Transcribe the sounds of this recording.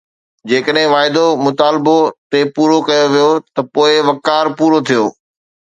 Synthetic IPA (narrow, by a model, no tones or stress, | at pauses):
d͡ʑeːkəɗɦɪ̃ʋaːɪd̪omʊt̪aːlbot̪epuːɾokɐjoʋijot̪ɐpoːɪʋɐkaːɾpuːɾot̪ʰijoː